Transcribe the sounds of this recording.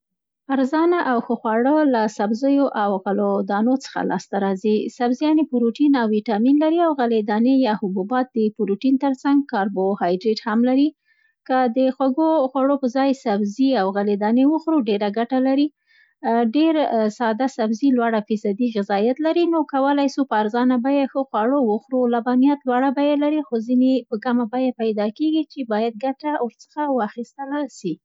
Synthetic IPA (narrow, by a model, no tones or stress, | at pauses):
aɾzɑnaʔawxəxwɑɽəlasabzəjoʔawɣalod̪ɑnot͡sə̥xa̰lɑ̰st̪aɾɑzisabzijɑnepuɾoʈinawwiʈɑminlaɾiawɣaled̪ɑnejɑhʊbubɑt̪̚d̪əpuɾuʈint̪əɾt͡saŋɡ̚kɑɾbohɑjdɾeʈhamlaɾi | kad̪əxwaɡoxwaɽopəzɑjsabziawɣalid̪ɑnewəxɾuɖeɾaɡaʈalaɾi | ɖeɾsɑd̪asabzilwaɽafisad̪iɣɪzɑjat̪laɾinokawəlajsupəaɾzɑnabajexəxwɑɽowəxɾulabɑnijat̪lwaɽabajelaɾixozinepəɡamabajapajd̪ɑkeɡit͡ʃebɑjad̪̚ɡaʈawəɾt͡sə̥xawəaxist̪əlaʃi